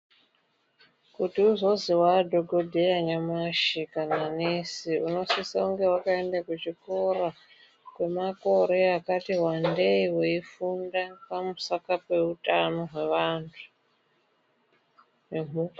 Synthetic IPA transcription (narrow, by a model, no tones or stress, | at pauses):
kutiuzo̞ziwadʱo̞ɡʱodʱejaɲamaʃikananesiuno̞sisauŋɡe̞wakaendakut͡ʃiko̞ɾa | kwe̞mako̞ɾe̞akatiɦwande̞iweifundapamusakape̞utano̞ɦwe̞ʋaːntʰu̥ | nemu